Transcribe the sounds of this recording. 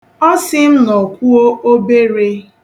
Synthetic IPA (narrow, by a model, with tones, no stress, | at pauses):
ɔ˦sɪ˦n̩˦nɔ˨kʷu˦o˦o˦be˦ɾe˦